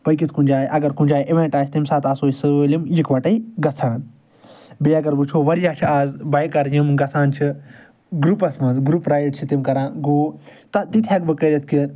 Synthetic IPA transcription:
pɐjkit̪ʰkũnd͡ʒaːʔɐɡɐɾkʊ̃nʲd͡ʒaːjʔeʋẽːɳʈaːt͡ʃʰt̪imsaːt̪aːsoːisɨlimjikʋɐʈɐiɡɐt͡sʰãːn | beːɐɡɐɾbut͡ʃʰoːʋɐɾijaːt͡ʃʰiaːzbaːjkɐɾjɐmɡɐt͡sʰãːnt͡ʃʰi | ɡɾupɐsmɐnzɡɾupɾaːjʈt͡ʃʰit̪imkɐɾãːɡoːt̪ɐt̪it̪ʰiɐɡbɨkɐːd̪ɐt̪̚ʰkin

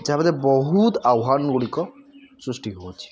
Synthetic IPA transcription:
d͡ʒabad̪ɛbɔɦut̪awɦanɡuɽikɔsɾusʈiɦot͡ʃʰi̥

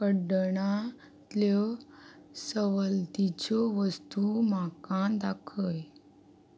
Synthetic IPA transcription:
kəɖəɳa | t̪lɔ | səʋəlt̪it͡ɕoʋəst̪umakãd̪akʰəj

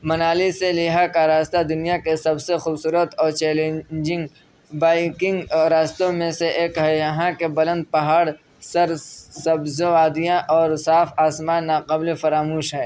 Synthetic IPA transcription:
mɐnaːliselɪɦakaɾaːst̪ad̪ʊnijakesɐbsexuːbsuːɾət̪ɔːɾt͡ʃɛːlẽːd͡ʒɪ̃ŋɡ | baːɪkɪ̃ŋɡɾaːst̪õmẽseʔeːkɦɛjɐɦãkebɐlə̃nd̪̚pɐɦaːɽ | sɐɾsɐbzoaːd̪ijãʔɔːɾsaːfaːsmaːnːaːqɐblefɐɾaːmuːʃɦɛː

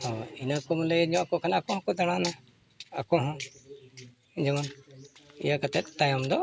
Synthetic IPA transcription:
hɔinakɔmɔləjɲɔ̃ʔakɔʔkʰanakɔɦɔ̃kɔd̪aɽ̃ana | a̰kɔɦɔ̃ | d͡ʒɛman | ḭjakat̪ɛt̪̚t̪ajamd̪ɔ

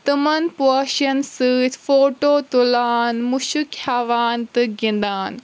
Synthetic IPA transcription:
t̪ɐmɐnpaːʃɐnsɨfoːʈoːt̪ulaːnmʊʃukʰjaːʋaːnt̪ɨɡĩnd̪aːn

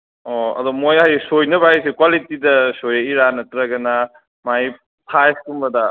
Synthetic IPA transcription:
ɔɐ̰dɔmojɦajsojnɐbajsikwalitidɐsojɐiɾanɐtɾɐɡɐna | maj | pʰajskumbɐdɐ

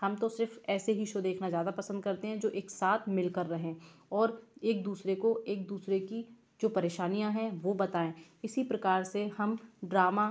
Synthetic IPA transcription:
hɐmt̪osɪɾfɛːseɦiʃod̪eːkʰnazjaːd̪apɐsə̃nd̪̚kɐɾt̪eɦɛ̃d͡ʒoːʔeːksaːt̪ʰmɪlkɐɾːɐɦẽɔːɾeːk̚d̪uːsɾekoeːk̚d̪uːsɾeki | d͡ʒoːpɐɾeːʃaːnijãɦɛ̃ʋobɐt̪aːẽːɪsipɾɐkaːɾsehɐmɖɾaːma

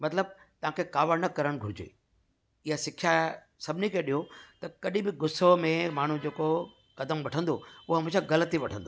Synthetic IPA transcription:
mɐt̪ləb̚ | t̪ɐʋ̤ãːkʰekaːʋəɽnɐkɐɾəɽ̃̆ɡʱʊɾɪd͡ʑḛː | ɪjasɪkʰja | sɐbʱɪnikʰeːɗiɦot̪ɐkɐɗĩbɪɡʊsomẽmaːɳ̤ũd͡ʑeːko | kɐd̪əmʋɐʈʰə̃nd̪oʊɦoɦɐmẽsãɣɐlət̪iʋɐʈʰə̃nd̪o

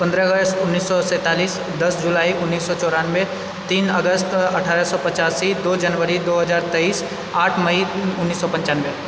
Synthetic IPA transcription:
pɐ̃nd̪ɾəəɡəst̪ʊnːiːsːɔsɛ̃ːt̪aːliːs | d̪ɐsd͡ʒʊlaːiʊnːiːsːɔt͡ʃɔːɾaːnʋe | t̪iːnəɡəst̪ɐʈʰaːɾəsɔpɐt͡ʃaːsid̪oːd͡ʒənʋəɾid̪oːɦɐzaːɾt̪ɐiːs | aːʈʰmɐiʊnːiːsːɔpɐ̃ɲt͡ʃaːnʋe

